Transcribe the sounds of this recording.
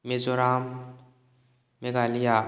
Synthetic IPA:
mezoɾam | eɡalija

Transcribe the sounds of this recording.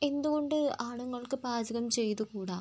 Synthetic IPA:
e̞nd̪uɣo̞ɳɖɨaːɳuŋːɐɭkɨbaːd͡ʑɐɣɐmt͡ɕe̞jt̪ukuːɽaː

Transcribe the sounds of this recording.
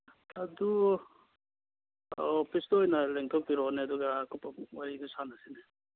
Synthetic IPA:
adu | ɔpʰistoɔjnaleŋtʰɔk̚biɾɔneɐduɡakupawaɾidusanasine

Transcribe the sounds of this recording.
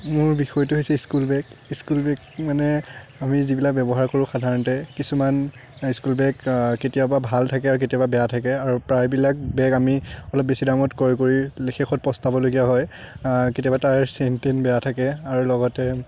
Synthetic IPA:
mʊɹbixɔjtuɦojsɛiskulbɛkiskulbɛkmanɛamizibilak̚bɛbɔɦaɹkoɹʊ̃xadʱaɹɔntɛkisuman | iskulbɛkketijababʱaltʰakɛaɹuketiababɛjatʰakɛaɹupɹajbilak̚bɛkamiɔlɔp̚besidamɔtkɔɹikoɹilexʰexɔt̚pɔstabɔloɡijaɦɔj | ketijabatajɹsentenbɛjatʰakɛaɹulɔɡɔtɛ

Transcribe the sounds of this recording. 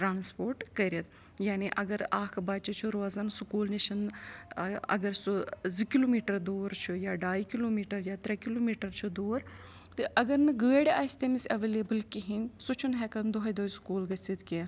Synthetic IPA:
ʈɾaːnspoːɾʈkɐɾʲjɐt̪ | jaːniʔɐɡɐɾaːkʰbaːt͡ʃit͡ʃʰuɾwazɐnsukuːlniʃɐn | ɐ̰ɡɐɾsuzikiloːmiːʈɐɾd̪oːɾt͡ʃʰujaːɖaːjkiloːmiːʈɐɾjaːt̪ɾɐkiloːmiːʈɐɾt͡ʃʰud̪oːɾ | t̪ɨʔɐɡɐɾnɨɡəʋeɽʲeʔɐːsʲt̪emisʲɐʋeleːbɨlkiɦinsut͡ʃʰunɦɛkɐnd̪oɦɐjd̪oːjskuːlɡɐsit̪kia

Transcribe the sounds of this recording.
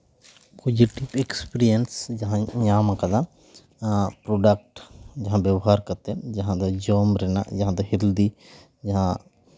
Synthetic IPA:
pʰod͡ʒiʈipekspiɾijənsd͡ʒɐɦãɲaːmãkɐd̪a | pɾoːɖək̚ʈd͡ʒɐɦãbjɐbɦaːɾkɐɾt̪ed͡ʒɐɦãd̪ad͡ʒɔːmɾɛna̰d͡ʒɐɦãd̪ɐɦɪld̪i | d͡ʒɐɦã

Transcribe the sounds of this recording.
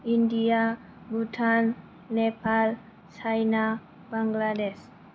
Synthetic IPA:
india | but̪ʰal | nepal | t͡ʃajna | baŋɡladɛs

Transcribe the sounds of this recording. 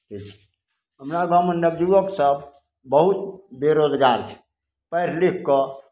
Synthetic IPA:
ʈʰik̚t͡ʃʰɛ̥ | ɦəmɾaɡəməndəb̚d͡ʒuʋəksəb | bəɦut̪beɾod͡ʒɡaɾt͡ʃʰɛ̥ | pəɾlikʰːɔ

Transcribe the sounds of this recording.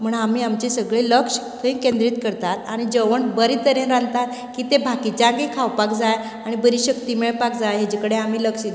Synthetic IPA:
m̤əɳam̤iːamt͡ɕesəɡɭeləkʂ | kəĩkẽnd̪ɾit̪kəɾt̪at̪aɽ̃id͡zəʋəɳbəɾit̪əɾẽɾãnd̪t̪at̪̚ | kiːt̪ebʱakit͡ɕakikʰawpakd͡zaj | aɽ̃ibəɾiːɕəkt̪imeɭpak̚d͡zajɦjad͡ʑikəɽeam̤iːləkʂi

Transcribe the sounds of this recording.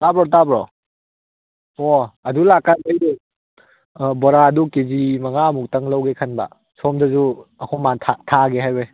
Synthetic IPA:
tabɾɔtabɾɔ | ɔɐdulakːajaje | bɔɾaɐdukezimɐŋamuk̚tɐŋlawɡekʰɐnba̰ | sɔmdɐzuɐkʰɔmatʰatʰaɡeɦajbej

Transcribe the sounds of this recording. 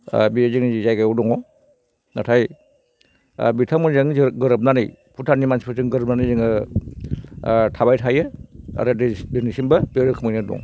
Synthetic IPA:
bizɯŋniizajɡajɔdɔŋɔ | natʰaj | bitʰamɯnzaŋzɡɯɾɯp̚nanɯj | pʰutʰanimansipʰɯsɯŋɡɯɾɯp̚nanɯjzɯŋɯ | tʰabajtʰajɯa̰ɾɯdɯnisinbɐbeɾɯkʰɯmɯjnɯdɔ̰ŋ

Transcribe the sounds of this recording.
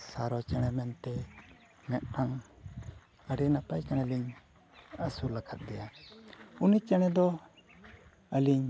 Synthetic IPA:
saɾɔt͡ʃɛɽ̃ɛmɛnt̪ɛ | mɛt̪̚ʈaŋ | aɽinapajkanaliɲ | əsulakʰat̪̚ˀdɡɛja | unit͡ʃɛɽ̃ɛd̪ɔ | əliɲ

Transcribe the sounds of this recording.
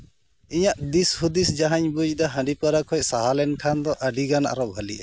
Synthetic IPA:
iɲaʔd̪ishud̪isd͡ʒaɦaɲbud͡ʒd̪ɔɦãɖipaɾakʰɔjsaɦalɛnkʰand̪ɔʔəɖiɡana̰ɾɔwɦəliʔɛ

